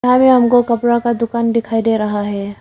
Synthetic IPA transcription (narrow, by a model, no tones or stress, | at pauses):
amẽɦɐmkokɐpɾakad̪ʊkaːnd̪ɪkʰaːid̪eːɾɐɦaɦɛː